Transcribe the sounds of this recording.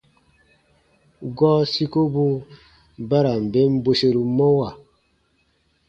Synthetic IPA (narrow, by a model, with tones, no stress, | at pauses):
ɡɔ˦si˦ko˦bu˦ | ba˦ɾa˨m̩˨be˦m̩˦bo˦se˦ɾu˨mɔ˦wa˨